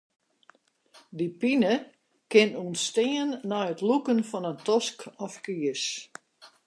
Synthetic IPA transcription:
dipinə | kɪnunsːtɪənːɔjətlukənfɔnəntɔskɔfkiəs

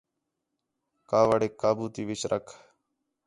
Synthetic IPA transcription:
kaːʋaɽeːkːaːbuːt̪iːʋɪt͡ʃɾʔəkʰ

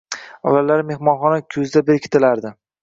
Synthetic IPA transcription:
ɒlalaɾme̞hmɒnχɒnakʲʰɵzd̪abeɾkʲʰɪt̪ʰɪlaɾd̪ɪ

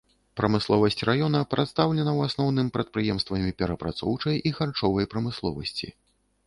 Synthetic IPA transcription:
pɾɐmɨslˠɔvɐsʲt͡sʲrajɔn̪ɐpɾɛt̪st̪awlʲɛnɐwasnɔwn̪ɨmpɾɐt̪̚pɾɨjɛmst̪vɐmʲipʲɛɾɐpɾat̪sɔwt͡ʂɐjʔixart͡ʂɔvɐjpɾɐmɨslˠɔ̰vɐ̰sʲt͡sʲḭ

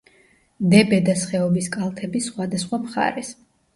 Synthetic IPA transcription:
d̪ɛbɛd̪asχɛɔbiskʼalˠt̪ʰɛbisχwad̪asχwamχa̰ɾɛs

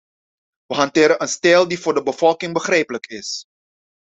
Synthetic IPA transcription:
ʋəɦɑntɪːɾənʔənstɛːlˠdivʊːrdəbəvɔlˠkɪŋbəχrɛjpələkɪs

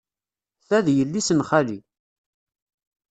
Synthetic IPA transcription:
θæðjəlːisənχali

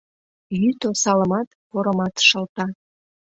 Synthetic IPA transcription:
jyt̪osɑləmɑt̪poɾəmɑt̪ʃəlt̪ɑ

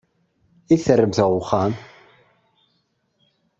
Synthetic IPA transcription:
iθərːəmθəʁʊχːam

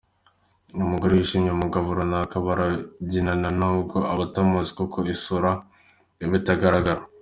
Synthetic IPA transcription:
umuɡoɾiwiʃimɲamuɡaβuɾonakaβaɾaɟinananaubɡoʔaβatamozi̥koko̞isuɾa | iβitaɡaɾaɡaɾa

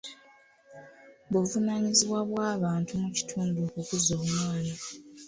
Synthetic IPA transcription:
buvunaɲiziβwaβwaːβaːntumuci̥tʰuːndukukuzoːβunoːna

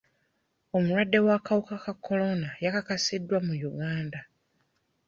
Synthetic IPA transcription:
o̞muɾwadːe̞wakawukakakʰːo̞lo̞najakakasidːwamujuɡaːnda

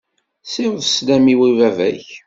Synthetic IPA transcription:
sɪɾəðslæmiwivævæç

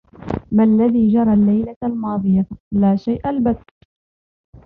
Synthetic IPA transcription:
malːaðiːd͡ʒɑɾˤɑlːajlalmɑːðˤɨjalaːʃajʔalbad̪

